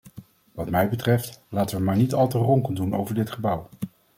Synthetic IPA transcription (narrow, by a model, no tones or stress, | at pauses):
ʋɑtmɛjbətrɛftlaːtəʋəmaːɹnitɑlˠtərɔŋkənduno̰wvəɹdɪtχəbʌw